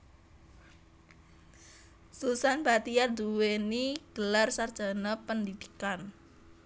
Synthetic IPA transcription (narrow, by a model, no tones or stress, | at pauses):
susanbat̪ijard̪uweniɡ̥əlarsard̥ʒ̥a̤napəndid̪̥i̥kan